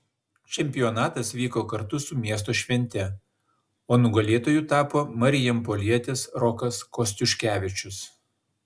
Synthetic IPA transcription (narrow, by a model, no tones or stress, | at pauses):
t͡ʃʲɛmʲpʲɪjɔnɑːt̪ɐsʋʲiːkoːkɐɾt̪ʊsʊmʲiɛst̪oːʃʲʋʲɛnʲt̪ʲɛ | oːnʊɡɐlʲeːt̪oːjʊt̪ɑːpoːmɐɾʲɪjɛmpolʲiɛt̪ʲɪsɾɔkɐskɔsʲt̪ʲʊʃʲkʲæːʋʲɪt͡ʃʲʊs